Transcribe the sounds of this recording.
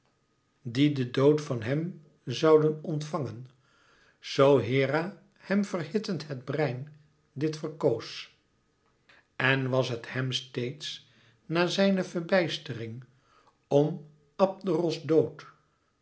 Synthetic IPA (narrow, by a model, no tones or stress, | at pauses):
didədowtfɑnɦɛm | zɑwdənɔntfɑŋən | z̥owɦɪːra | hɛmvərhɪtəntɦɛdbrɛjn | dɪtfərkows | ɛnʋɑsɦəthɛmstejts | naːzɛjnəvəɹbɛjstərɪŋ | ɔm | ɑp̚dərɔsdowt